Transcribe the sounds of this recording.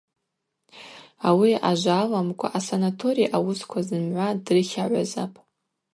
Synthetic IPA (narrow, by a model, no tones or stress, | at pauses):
awia̰ʒʷalamkʷʼa̰ʔasanatʰo̞ɾijʔawʊskʷʰazɨmʕʷadrɨχʲaʕʷaza̰pʼ